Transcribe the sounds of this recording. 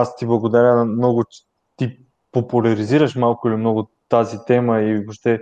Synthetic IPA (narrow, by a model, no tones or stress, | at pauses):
ast̪iblˠɐɡod̪aɾʲənmnɔɡʊt͡ʃɛ̥ | t̪i | popʊlʲɐɾiziɾəʃmalˠkʊilimnɔɡot̪azit̪ɛməivoʃt̪ɛ